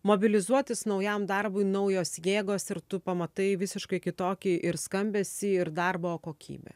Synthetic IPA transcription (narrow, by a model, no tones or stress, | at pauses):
moːbʲɪlʲɪzuɔt̪ʲɪsnɒʊjɛmd̪ɐɾbʊɪnɐʊjoːsjeːɡoːsɪɾt̪ʊpɐmɐt̪ɐɪʋʲɪsʲɪʃkɐɪkʲɪt̪oːkʲɪʔɪɾskɐmʲbʲeːsʲɪɪɾd̪ɐrboːkoːkʲḭːbʲḛː